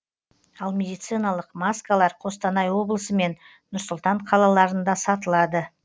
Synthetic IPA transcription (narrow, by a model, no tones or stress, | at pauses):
ɑlˠmʲe̞d̪ijt̪sɨjnɑlˠəqmaskalˠɑɾqʰo̞st̪ɑnɑjwo̞blˠəsəme̞n | nʊɾsʊlˠt̪ɑɴqʰɑlˠɑlˠɑɾənd̪ɑsɑt̪əlˠɑd̪ə